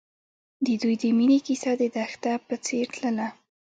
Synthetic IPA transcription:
d̪əd̪ujd̪əminikisad̪əd̪axt̪apət͡seɾt̪ləla

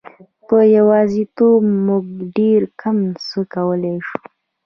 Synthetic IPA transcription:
pəjawɑzit̪obmuɡ̚ɖeɾkamsəkawəleʃu̥

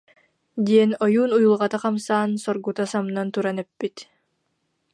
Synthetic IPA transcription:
d̪iɛnɔjuːnujulˠʁat̪aqamsaːnsɔɾɡut̪asamnant̪uɾanɛpːit̪

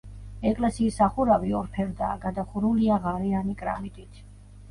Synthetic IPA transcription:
ɛkʼlɛsiːsaχuɾaviɔɾpʰɛɾd̪a̰ːɡad̪aχuɾuliaʁaɾianikʼɾa̰mit̪ʼit̪ʰ

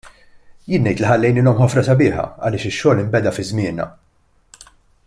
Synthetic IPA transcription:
jɪːnːɛjt̪lɪħɐlːɛjnɪːlɔmħɔfɾɐsɐbɪːħɐ̰ɐ̰lɪːʃɪʃːɔːlɪmbɛd̪ɐfɪzmɪːnɐ̰

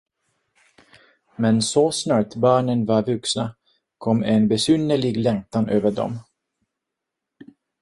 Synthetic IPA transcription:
mɛnsɔsnɑːʈbɑːɳənvaɾvɵksna | kʰɔmːɛnbɛsʏnːəɭɪɡlɛŋk̚t̪anøːvəɖɔ̰m

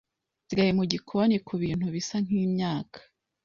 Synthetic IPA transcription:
zɾajimuɟikʰonikʰuβiːn̥huβisaŋ̥iːmɲaːkʰḁ

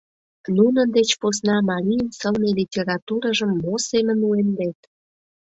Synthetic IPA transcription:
nunə̆nd̪et͡ɕpos̬nɑmɑɾʲijənsəlnelʲitʲeɾɑt̪uɾəʒəmːosemə̆nuemd̪et̪

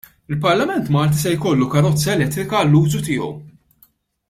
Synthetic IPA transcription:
ɪlpɐɾlɐmɛnt̪mɐːlt̪̬isɛjkɔlːukɐɾɔt͡sːɐɛlɛt̪ːɾɪkɐːlːuːzut̪ɪːɔ̰w

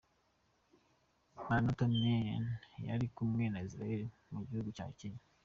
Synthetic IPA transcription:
manotomenja̰ɾikumŋe̞naisɾajeɾi | muɟihuɡuca̰ːciɲa

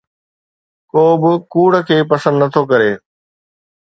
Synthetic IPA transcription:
koːbɪkuːɽ̤əkʰeːpɐsə̃nd̪nɐt̪ʰokɐɾeː

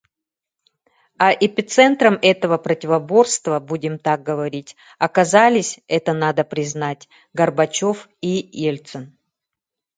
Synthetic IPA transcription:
ɐʔɪpʲɪt̪sɛnt̪ɾəmɛt̪əvəpɾətʲɪvɐbo̞rst̪vəbudʲɪmt̪ak̚ɡəvɐɾʲitʲ | ɐkɐzalʲɪsʲɛt̪ənad̪əpɾʲɪznatʲ | ɡərbɐt͡ɕo̞fijelʲt̪sən

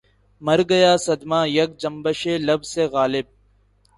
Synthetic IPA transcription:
mɐɾɡɐjaːsɐd̪maːjɐk̚d͡ʒɐmbəʃeːlɐbzseːɣaːlɪb̚

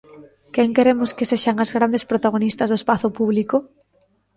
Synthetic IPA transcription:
keŋkeɾemoskeseʃaŋazɣɾand̪espɾot̪aɣ̞onist̪azðoespaθopuβliko

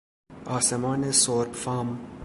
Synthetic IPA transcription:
ɒːsemɒːnesoɾbfɑːm

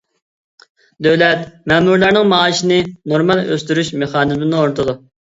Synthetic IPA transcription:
d̪øwlɛt̪mɛmuɾlæɾnɪŋmɑːʃɪnɪnoɾmɑlˠø̰st̪yɾyʃmeχɑːnɨzmɪnont̪ʰʊd̪u

